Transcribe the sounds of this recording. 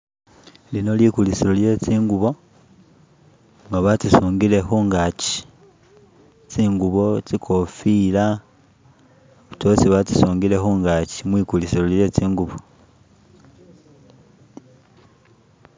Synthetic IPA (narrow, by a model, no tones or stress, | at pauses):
lino̞likulisilolje̞t͡siːŋɡuβo̞ | ŋɡaβatusuːŋɡile̞xuːŋɡaci̥ | t͡siːŋɡuβo̞t͡sikʰo̞fila | βu̥tosiβatu̥suːŋɡile̞xuːŋɡacimwiːkulisilolje̞t͡siːŋɡuβo